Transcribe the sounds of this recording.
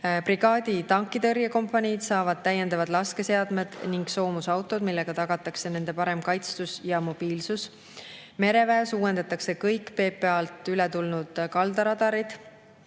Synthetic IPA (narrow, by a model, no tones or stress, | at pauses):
priɡ̥ɑːd̪̥it̪ɑŋkːˑid̪ɤrjɑko̞mpːˑɑnʲid̪̥sɑːvɑd̪̥̚t̪æjːe̞nd̪ɑvɑd̪lɑske̞se̞ɑd̪me̞d̪̥niŋɡ̥so̞ːmusɑwt̪ˑo̞d̪milːe̞ɡ̥ɑt̪ɑɡ̥ɑt̪ːˑɑkse̞ne̞nd̪̥e̞pɑɾe̞mkɑjt̪st̪usjɑmo̞b̥iːlsus | me̞ɾe̞væsuːwe̞nd̪ɑt̪ːˑɑkse̞kɤjkːpe̞ːpːˑe̞ɑlt̪ˑylɛt̪ulnud̪̥kɑld̪ɑɾɑd̪ɑɾid̪̥